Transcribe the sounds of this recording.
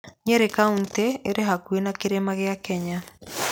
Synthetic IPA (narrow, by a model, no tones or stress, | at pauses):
ɲeɾekaunteeɾeɦakwenakeɾemaɣeakɛɲa